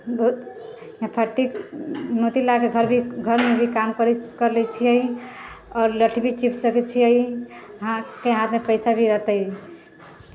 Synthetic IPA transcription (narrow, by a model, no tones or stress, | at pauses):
bɔut̪ | jãpʰəʈːiknot̪ilakeɡʱəɾbʱiɡʱəɾmebʱikamkəɾkəɾlɛt͡ʃʰiəi | ɔːɾləʈʰbʱit͡ʃipʰsəkɛt͡ʃʰiəiɦãkeɦãt̪mepəɪsabʱiɾət̪əj